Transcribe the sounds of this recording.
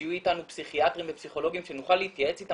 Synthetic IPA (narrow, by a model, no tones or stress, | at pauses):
juitanupsiχiat̪ʁimve̞psiχo̞lo̞ɡimʃe̞nuχalːeit̪jae̞t͡sita